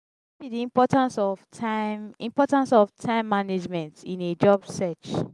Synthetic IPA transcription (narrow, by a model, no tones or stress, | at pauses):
bidiĩmpɔtãnsɔvtʰãɪmĩmpɔtãnsɔftʰãɪ̃mːaned͡ʒmɛ̃ntĩned͡ʒɔbsɛt͡ʃ